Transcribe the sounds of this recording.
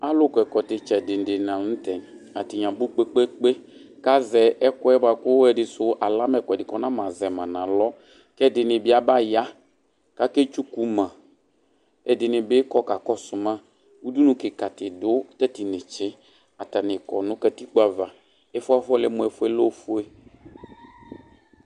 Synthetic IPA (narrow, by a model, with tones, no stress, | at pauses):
a˦lʊ˦kɔ˨ɛ˨kɔ˨tɪ˨t͡ʃɛ˨dɪ˨n̩˨dɪ˨nã˨n̩˦tɛ˨n | a˨tɪ˨ɲã˨bu˦k͡pe˦k͡pe˦k͡pe˦ka˦zɛ˨ʔɛ˦kɔ˦ɛ˦ba˨kʊ˦ɛ˨dɪ˨sʊ˦ʔa˨la˦mɛ˨kɔ˨dɪ˨kɔ˨nã˦mã˨zɛ˨mã˨nã˨lɔ˦ | kɛ˦˨dɪ˨nɪ̃˨bɪ˦a˨ba˦ja˦ | ka˦ke˦t͡ʃu˦ku˦mã˨ | ɛ˨dɪ˨nɪ̃˨bɪ˦kɔ˦ka˨kɔ˦sʊ˨mã˦ | wu˦du˦nũ˦kɪ˨ka˨tɪ˨dʊ˦tɛ˦tɪ˨nɪ̃˨t͡ʃɪ˦ | a˨ta˨nɪ̃˨kɔ˨nʊ̃˦ka˨ti˦k͡pa˨va˨ | ɛ˦fʊ˦a˦fɔ˦lɛ˦mʊ̃˨ɛ˨fʊ˦ɛ˦lo˦fʊ˦e˦